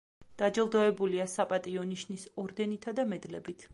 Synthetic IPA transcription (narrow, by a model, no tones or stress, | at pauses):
d̪̥ad͡ʒɛlˠd̪ɔɛbuliasapʼat̪ʼiɔniʃnisɔɾd̪ɛnit̪ʰad̪amɛd̪lɛbit̪ʰ